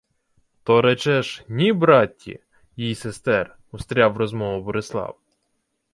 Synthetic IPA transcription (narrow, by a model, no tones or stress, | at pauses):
t̪ɔɾɛt͡ʃɛʒnʲibɾɑtʲːḭ | jijsest̪ɛr | ʊst̪ɾʲɑwrɔzmɔʋʊbɔɾɪslˠɑ̰w